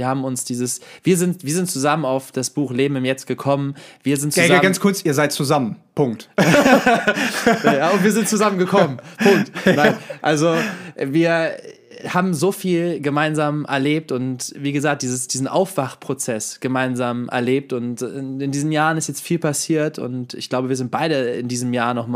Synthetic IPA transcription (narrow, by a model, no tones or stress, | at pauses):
ɐhaːbm̩ʊnsd̥iːzəsviːɐzɪntv̥iːɐzɪntt͡suzamənaʊfd̥asb̥uːxleːbm̩ɪmjɛt͡st̚ɡ̥əkʰɔmənviːɐzɪntt͡szaɡanskʰʊɐt͡siːɐzaɪt̚t͡suzamənpʰʊŋkt | aʊntv̥iːɐzɪnt̚t͡suzamənɡəkʰɔmənpʰʊŋktnaɪɪnʔalzoʔviːɐ | haːbm̩zoːfiːlɡəmaɪnzaːmʔɛ̰ɐleːp̚tʊntviːɡəzaːk̚d̥iːzəsd̥iːzn̩ʔaʊfv̥aχpʁ̥ot͡sɛsɡ̥əmaɪnzaːmʔɛ̰ɐleːp̚tʊntɪndiːzn̩m̩jaːʁənɪstjɛt͡stfiːlpʰasiːɐtʰʊ̰ntɪ̰çɡ̥laʊbəviːɐzɪnt̚b̥aɪɾəɪ̰ndiːzəmjaːɐnɔχm